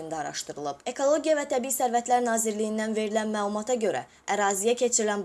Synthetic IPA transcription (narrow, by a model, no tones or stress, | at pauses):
ind̪æɑɾɑ̰ʃt̪ɯɾɯlˠɯbe̞kʰo̞lˠo̞ɟijɑvæt̪ʰæbiisæɾvæt̪læɾnɑːziɾlijind̪ænve̞ɾilænmæːlˠumɑt̪ʰɑɟø̞ɾæ̰ | æɾɑːzijæcʰe̞t͡ʃʰiɾilænb